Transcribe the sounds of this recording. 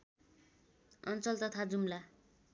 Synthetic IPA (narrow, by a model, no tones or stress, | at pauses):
ʌnt͡sʌlt̪ʌt̪ʰad͡zumla